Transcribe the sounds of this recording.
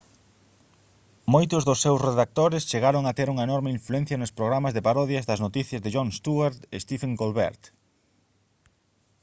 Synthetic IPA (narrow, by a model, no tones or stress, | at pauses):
mojt̪ʊzðʊsːewsreðak̚t̪oɾest͡ʃeɣaɾoŋat̪eɾuŋɐenɔɾmeiɱfluɛn̟θjɐnʊspɾoɣɾamɐzðepaɾɔðjɐzðɐznot̪iθjɐzðeʒɔŋst̪uaɾt̪est̪ifeŋɡolβḛɾt̪